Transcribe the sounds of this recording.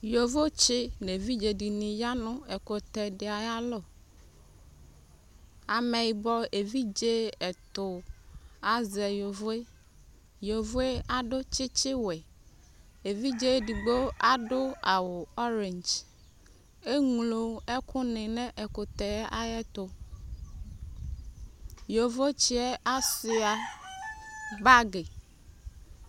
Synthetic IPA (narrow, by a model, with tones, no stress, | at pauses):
jo˨vo˦t͡ʃɪ˦ne˨vi˦d͡ʒe˨di˨nĩ˨ja˦nʊ̃˦ɛ˨kʊ˨t̪ɛ˨ɖɪ˨a˨ja˦lo˦˨ | a˨mɛ̃˨jbɔ˦e˨vi˦d͡ʒe˦ɛ˨t̪ʊ˨ | a˨zɛ˨jo˨vo˦e˦ | jo˨vo˦e˦a˨ɖʊ˦t͡ʃɪ˦t͡ʃɪ˦wɛ˨ | e˨vi˦d͡ʒe˦ɖi˨ɡ͡bo˦a˨ɖo˦a˨wo˨ɔ˦ɾe˨ɲd͡ʒ | e˦ŋlo˨ɛ˦kʰu˦nẽ˨nɛ̃˦ʔɛ˨ko˨t̪ɛ˨˦ʔa˦jɛ˦t̪o˨ | jo˨vo˦t͡ʃi˦ɛ˦ʔa˦si˨a˨ | ba˦ɡe˨